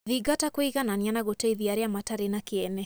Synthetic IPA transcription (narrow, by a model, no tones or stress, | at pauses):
ðiɡatakwiɣananianaɣotɛiðiaɾiamataɾenakiɛnɛ